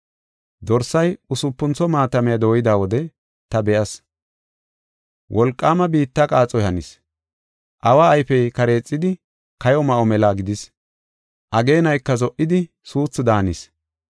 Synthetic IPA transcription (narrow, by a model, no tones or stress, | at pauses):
d̪ɔɾsɐjʊsʊpːʊnt͡sɔmaːt̪ɐmɛjɐd̪o̞ːjɪd̪aːwɔd̪ɛ | t̪ɐbɛʔɐs | wʔɔlkʼːaːmɐbiːt̪ːɐkʼaːt͡sʼːɔjhɐnɪs | ʔɐwaːjfɛjkɐɾe̞ːt͡sʼːɪd̪ɪ | kɐjɔmɐʔɔmɛlaːɡɪd̪ɪs | ʔɐɡe̞ːnɐjkːɐzɔʔɪd̪ɪ | suːt͡sːɪd̪aːnɪs